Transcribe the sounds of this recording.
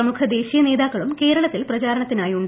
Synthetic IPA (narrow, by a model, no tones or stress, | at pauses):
ɐmukʰɐd̪e̞ːɕijɐne̞ːd̪aːkːɐɭumke̞ːɾɐɭɐt̪ːilprɐt͡ɕaːɾɐɳɐt̪ːinaːjuɳɖ